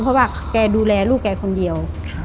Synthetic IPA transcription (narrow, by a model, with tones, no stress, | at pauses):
pʰɔ˧˥waː˧˩ | kɛː˧duː˧lɛː˧luː˥˩k̚kɛː˧˩kʰo˧ndi˨˧əw